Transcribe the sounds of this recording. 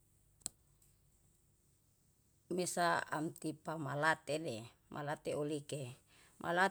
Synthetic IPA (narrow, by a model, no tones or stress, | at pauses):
mesaa̰mt̪ipamalat̪ene | mʔa̰lat̪eolike | mʔa̰la